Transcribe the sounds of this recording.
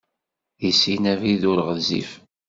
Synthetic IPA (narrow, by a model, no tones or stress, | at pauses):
jisinæviðʊɾʁəzḭf